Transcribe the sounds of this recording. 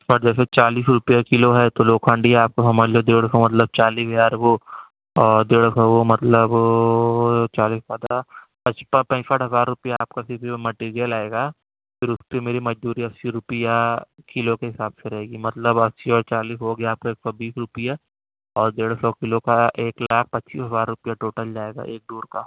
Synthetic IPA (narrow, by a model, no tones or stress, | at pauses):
ɔɾd͡ʒɛːs̬et͡ʃaːliːsɾʊpijakɪloɦɛt̪oloːkʰãːɳɖiɦaaːp̚kosɐməd͡ʒlod̪eːɽsomɐt̪ləb̚t͡ʃaːliːsjaːɾbo | ɔːɾd̪eːɽsɔʋomɐt̪ləb | t͡ʃaːliːspad̪a | pɐt͡ʃpɐ̃pɐ̃t͡ʃsəʈɦɐzaːɾːʊpijaaːp̚kasɪbʱimɐʈeːɾijəlaːeːɡaː | pʰɪɾʊspemeːɾimɐd͡ʒd̪uːɾiɐsːiɾʊpijakɪlokeɦɪsaːbseɾɐɦeːɡimɐt̪ləbɐsiɔːɾt͡ʃaːliːsɦoɡjaːp̚kaeːk̚sɔbiːsɾʊpija | ɔːɾd̪eːɽsɔkɪlokaʔeːklaːk̚ʰpɐtːt͡ʃiːsɦɐzaːɾːʊpijaʈoːʈəld͡ʒaːeːɡa̰ʔeːk̚ɖoːɾkaː